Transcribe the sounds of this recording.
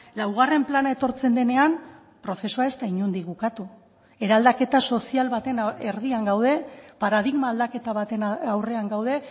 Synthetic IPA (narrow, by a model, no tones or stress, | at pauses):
lawɣ̞are̞mplanae̞t̪o̞ɾt͡se̞nd̪e̞ne̞am | pɾo̞θe̞suae̞st̪aiɲund̪iɣukat̪u | e̞ɾald̪ake̞t̪aso̞sialβat̪e̞neɾðiaŋɡawðe̞paɾað̞iɣmaːld̪ake̞t̪aβat̪e̞nawre̞aŋɡawð̞e̞